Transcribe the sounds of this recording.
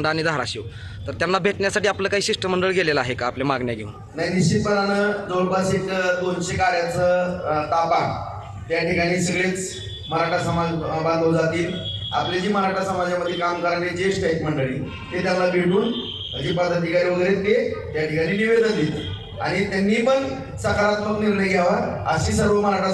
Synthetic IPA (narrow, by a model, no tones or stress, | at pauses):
ɳɖəaɽ̃iːd̪aɦɾaɕi | t̪əɾt̪janːabʱeʈɳjasaʈiːapləːkaɦiːɕiʂʈəməɳɖəɭɡʱelelaaɦekaːplemaɡɳjaɡʱḛuːn | naɦiniɕt͡ɕit̪̚pəɾanəd͡zoɾbʱasekd̪onɕekaɾjat͡sət̪apa | t̪jaʈʰikaɽ̃iːsəɡɭet͡s | məɾaʈasəmabãnd̪ʱəld͡zat̪iːl | a̰pljad͡ʑiːməɾaʈʰasəmad͡ʑjaməd̪ʱːjekamkəɾaned͡ʑeɕʈajkməɳɖəɭiː | t̪et̪jalabʱeɽuːn | əd͡ʑiːpəd̪ʱːət̪̬ikaɾiʋəɡeɾet̪ːet̪jaʈikaɽ̃iːniʋed̪ənd̪et̪i | a̰ɽ̃it̪janːiːpəɳ | səkaɾat̪məkniɾɳəjɡʱjaʋəɾə̰ɕisəɾʋəməɾaʈa